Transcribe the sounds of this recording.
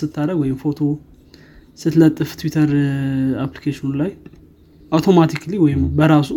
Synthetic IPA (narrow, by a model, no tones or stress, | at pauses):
sɨt̪ːaɾəɡwɔjɪmfo̞t̪ʰo̞ | sɨt̪lət̪ʼːɨft̪ʰwit̪ʰəɾaplikʰeʃinulaj | ʔawt̪ʰo̞mat̪ʰikliwɔjɪmbəɾasu